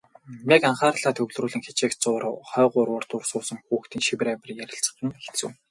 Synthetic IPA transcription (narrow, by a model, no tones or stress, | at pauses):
nekaɴχaːrɮaːt̪ʰɵɣɮruːɮɘ̆ŋxet͡ɕeːkt͡sʊːrχœːʁʊrwʊːrt̪ʊrsʊːsə̆ŋxuːxt̪ʰiːnʃiwɘ̆ɾæːpʲɪ̆rjæɾʲɪ̆ɬt͡sə̥̆χə̆ŋxe̥t̪sɘ̰̆w